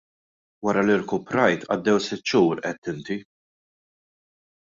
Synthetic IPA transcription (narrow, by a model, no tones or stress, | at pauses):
wɐɾɐlɪɾkʊpɾɐjt̪ʔɐ̰d̪ːɛwsɪt̪ːʃuːɾʔɛt̪ːɪnt̪i